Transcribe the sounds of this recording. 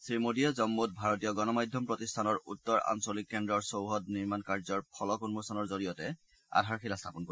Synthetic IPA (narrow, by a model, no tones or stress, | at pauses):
sɹimodijazɔmːutbʱaɹɔtijɔɡɔnɔmajdʱjɔmpɹotistʰanɔɹutːɔɹa̰nsolikːɛndɔɹsowɦɔtniɹmankaɹzɔɹpʰɔlɔkɔnmosanɔɹzoɹijɔtɛ | a̰dʱaɹxʰilastʰapɔnko